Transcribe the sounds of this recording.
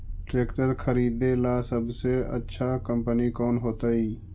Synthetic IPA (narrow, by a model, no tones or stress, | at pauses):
ʈɾeːkʈəɾkʰəɾiːd̪elaːsəbʱseə̰tːʃʰakəmpənikɔːnɦoːt̪aːiː